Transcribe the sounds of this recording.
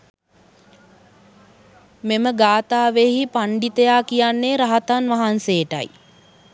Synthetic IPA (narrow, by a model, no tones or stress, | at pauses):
meməɡaːt̪aːʋeɦipaɳɖit̪ejaːkijanːeɾaɦat̪anʋaɦansejəʈa̰j